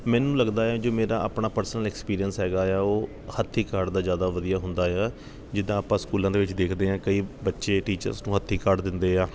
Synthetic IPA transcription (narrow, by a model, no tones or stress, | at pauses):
mɛ̃ːnũːləɡd̪aːɛːd͡ʒoːmeːɾaːa̰ːpɳaːpəɾsnəlɛːkspiːɾijənsɦɛːɡaːɛːoː | hət̪ʰːiːkaɾɖd̪aːzjaːd̪aːʋəd̪ijaːɦʊ̃nd̪aːaː | d͡ʒɪd̪ãːaːpãːskuːlãːd̪eːʋɪt͡ʃd̪eːkʰd̪eːɦãːkəiːbətːʃeːʈiːt͡ʃə̰ɾsnũːɦət̪ʰːiːkəɾɖd̪ɪnd̪eːaː